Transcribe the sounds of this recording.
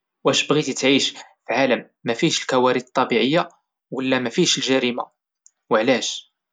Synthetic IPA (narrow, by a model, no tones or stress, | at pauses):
wʔæʃbɣit̪ət̪ʕiʃfʕaləmːæfiʃəlkæwæɾid̪t̪ˤːɑbiʕəjːa | wəlːæmæfiʃəlʒæɾima | wəʕlæʃ